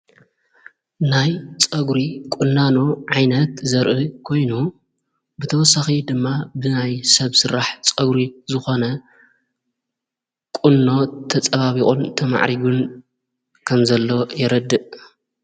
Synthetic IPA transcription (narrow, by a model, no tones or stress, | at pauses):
najt͡sʼɐɡɾikʼʊnːanoʕajnɐt̪zɐɾʔɨkʰo̞jnu | bɨt̪ʰɐwɔsaxid̪ɨmːabɨnajsɐβsɨɾaħt͡sʼɐɡɾizɨxo̞nɐ | kʼunːo̞t̪ʰɐt͡sʼɐβaβikʼont̪ʰɐma̰ʕɾiɡun | kʰɐmzɐlːo̞jɪɾɐd̪ːɨʔ